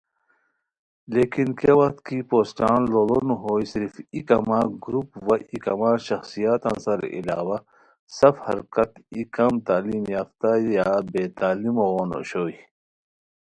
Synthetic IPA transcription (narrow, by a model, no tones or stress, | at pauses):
leːkinkewɐkt̪kipoːsʈaːnloːlonuɦoːjsiɾfikɐmaːɡɾupwɐʔikɐmaːʃɐxsijaːt̪ɐ̰nsɐɾ̰ʔḭla̰ːwɐ | sɐfhɐ̰ɾkɐt̪ikɐmt̪aːlimjaːft̪ajaːbeːt̪aːlimoɣoːno̰ɕoːi